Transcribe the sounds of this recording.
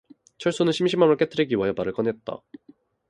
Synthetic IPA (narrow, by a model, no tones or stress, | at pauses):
t͡ɕʰʌɭs͈onɯnɕʰimɕʰimːamʌɭk͈et͈ʰɯɾiɡiwajʌbaɾɯɭk͈ʌnɦe̞t̚t͈a̰